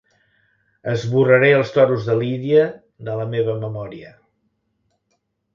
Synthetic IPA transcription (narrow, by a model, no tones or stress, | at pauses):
əzβurəɾeəlˠst̪ɔɾuzðəliðiə | ðələmeβəməmɔɾiə